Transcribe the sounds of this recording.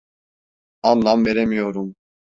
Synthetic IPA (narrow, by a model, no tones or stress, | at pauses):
anːˠamveɾemijoɾum